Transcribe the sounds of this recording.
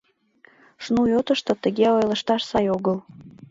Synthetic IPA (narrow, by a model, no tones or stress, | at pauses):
ʃnujot̪əʃt̪ɤ̆t̪ə̆ɣeojlə̆ʃt̪ɑʃsɑjoɣəl